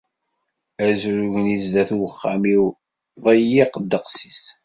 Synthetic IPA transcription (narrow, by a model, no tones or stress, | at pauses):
æzɾuʝnizðæθuwəχːamiw | ðˤəjiqd̪ːəqsi̥s